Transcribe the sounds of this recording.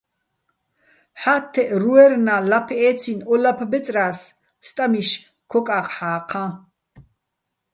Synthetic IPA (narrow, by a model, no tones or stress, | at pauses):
ħat̪ʰːɛʔɾuɛrnalapʰɛʔɛt͡sʰinɔlapʰbɛt͡sʼrasː | t̪ʼamiʃ | kʰɔkʼaqħaːqʰã